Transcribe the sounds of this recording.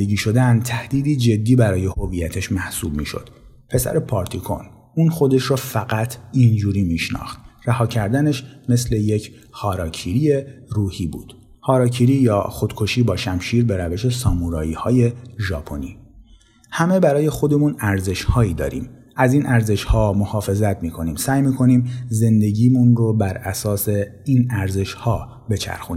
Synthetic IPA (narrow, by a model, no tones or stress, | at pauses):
d̪eɟiːʃo̞d̪ænt̪ʰæhd̪̥iːd̪iːd͡ʒe̞d̪ːiːbæɾɒːje̞ho̞viːjæt̪ʰeʃmæhsuːb̚mḭːʃo̞̰d̪̥ | pʰe̞sæ̰ɾe̞pʰɒːɾt̪ʰikʰo̞̰n | uːnxo̞d̪e̞ʃɾofæɣæt̪ʰind͡ʒuːɾiːmiːʃnɒ̰ːxt̪ræhɒːcʰæɾd̪æneʃme̞sle̞jecʰ | hɒːɾɒːcʰiɾie̞ruːhiːbṵːd̪̥ | hɒːɾɒːcʰiɾiːjɒːxo̞d̪̥kʰo̞ʃiːbɒːʃæmʃiːɾbe̞ɾæve̞ʃe̞sɒːmuɾɒːiːhɒːje̞ʒɒːpʰo̞̰niː | hæme̞bæɾɒːje̞xo̞d̪e̞munæɾze̞ʃhɒːiːd̪ɒ̰ːɾḭːm | ʔæziːnʔæɾze̞ʃhɒːmohɒːfe̞zæt̪ʰmiːkʰo̞niːmsæːjmiːkʰo̞niːmze̞nd̪e̞ɟiːmunrobæɾæsɒːse̞inæɾze̞ʃhɒː | be̞t͡ʃʰæ̰ɾxuni